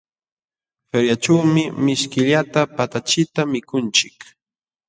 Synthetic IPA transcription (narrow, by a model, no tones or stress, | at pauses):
feɾjat͡ʃawmɪmɪʃkɪʎat̪apat̪at͡ʃɪt̪amɪkʊnt͡ʃɪk